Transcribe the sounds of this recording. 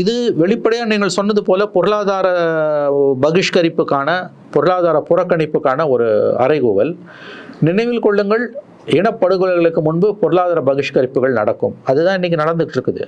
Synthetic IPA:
ɪðɯʋɛɭɪpːɐɽɐjaːniːŋɡɐɭsɔnːɐðɯpoːlɐpɔɾɯlaːðaːɾɐ | bɐɣɪʂkɐɾɪpːɯkːaːnɐ | pɔɾɯɭaːðaːɾɐpʊrɐkːɐɳɪpːɯkːaːnɐɔɾɯɐ̰ɾɐɪɣuːʋɐ̰l | nɪnɐɪʋɪlkɔɭːɯŋɡɐɭ | ɪɳɐpːɐɽɯɣɯlɐɣɐɭɯkːɯmʊnbɯpɔɾɯɭaːðaːɾɐbɐɣɪʂkɐɾɪpːɯɣɐɭnɐ̰ɽɐkːɯmɐðɯt̪ãːɪnːɪk̬ʲːɯnɐɽɐnd̪ɯɣʈːɪɾɯkːɐðɯ̰

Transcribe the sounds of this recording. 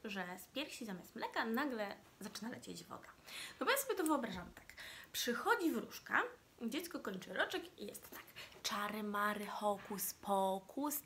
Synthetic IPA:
ʐɛspʲjɛɾfɕizamʲjast̪mlɛkanaɡlɛ | zat͡ʂɘnalɛt͡ɕed͡ʑvɔ̰d̪anɔbɔjasɔbʲɛt̪ɔvɘɨɔbɾaʐamt̪ḁkpʂɘxɔd͡ʑivɾuʂka̰ | d͡ʑɛt̪skɔkɔɲt͡ʂɘɾɔt͡ʂɛkijɛ̰st̪ːḁkt͡ʂaɾɘmaɾɘxɔkuspʰɔkʰus

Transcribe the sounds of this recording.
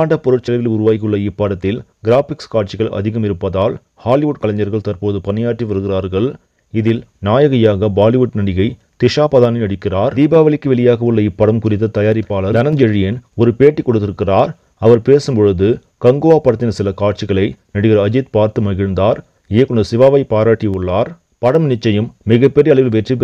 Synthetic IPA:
aːɳɖɐpːɔɾɯʈt͡ʃːɐlɐʋɪlʊɾʊʋaːjkɯɭːɐɪpːaːɽɐt̪ːɪlɡɪɾaːfɪkskaːʈ̚t͡ʃɪɣɐɭʔɐ̰ðɪɣɐmɪɾɯpːɐðaːl | haːlɪʋʊʈ̚kɐlɐɲɐɾɣɐɭt̪ɐrpoːðɯpɐnɪjaːʈriʋɐɾɯɣɪraːɾɣɐɭ | ɪðɪlnaːjɐɣɐjaːɣɐbaːlɪʋʊʈnɐɽɪɣɐɪ | t̪ɪʂaːpɐðaːnɪnɐɽɪkːɪraːɾd̪iːbaːʋɐɭɪkːɯʋɛɭɪjaːɣɐɯɭːɐɪpːɐɽɐmkʊrɪt̪ːɐt̪ɐjaːɾɪpːaːɭɐd̪ɐnɐnd͡ʒɐɻɪjɐnɔɾɯpeːʈːikːɔɽɯt̪ːɪɾɯkːɪraːɾ | ɐʋɐɾpeːsɯmpɔɻɯðɯ | kɐŋɡɯʋaːpːɐɽɐt̪ːɪnɐsɪlɐkaːʈ̚t͡ʃɪɣɐɭɐɪnɐɽɯɣɪɾɐːd͡ʒɪt̪̚paːɾt̪ɯmɐɣɪɻnd̪aːɾ | eːkːɔɳɐsɪʋaːʋɐɪpaːɾaːʈːiʊɭːaːɾ | pɐɽɐmnɪt͡ʃːɐjɯmːɪɣɐpːɛɾijɐɭɐɪʋɪlʋɛʈrɪpː

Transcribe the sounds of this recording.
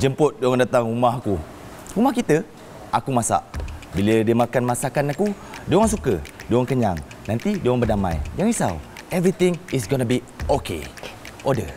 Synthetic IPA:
d͡ʒəmpʊt̪̚dŋndat̪aŋumahku | umahkit̪ə | ʔakumasa̰ʔbilədiəmakanmasakanaku | doaŋs̬ukədoaŋkəɲa̰ŋ | nãnt̪idaŋbərdamã̰jjaŋisa̰w | ɛvɾit̪ĩŋis̬ɡɔnəbi | okḛʔodə

